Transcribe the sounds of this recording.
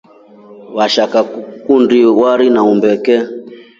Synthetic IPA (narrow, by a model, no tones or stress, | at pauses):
waʃakakundiwaɾinaumbɛkɛ